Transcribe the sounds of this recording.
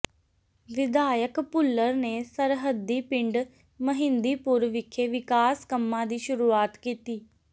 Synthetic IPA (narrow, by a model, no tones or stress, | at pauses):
ʋɪd̪aːjəkpʊlːəɾneːsəɾɦəd̪ːiːpɪɳɖ | məɦɪ̃nd̪iːpʊɾʋɪkʰːeːʋɪkaːskəmːãːd̪iːʃʊɾuːaːt̪kiːt̪iː